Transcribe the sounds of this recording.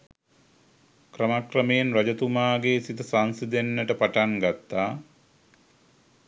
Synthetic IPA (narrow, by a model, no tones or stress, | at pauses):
krəmakrəmejenrad͡ʒət̪umaːɡesit̪əsansid̪enːəʈəpaʈaŋɡat̪ːaː